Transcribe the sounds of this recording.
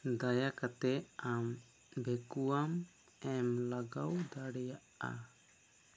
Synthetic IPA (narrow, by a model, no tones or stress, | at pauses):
d̪ajakat̪ɛam | bɛkuam | ɛmlaɡawd̪aɽɛjaʔa̰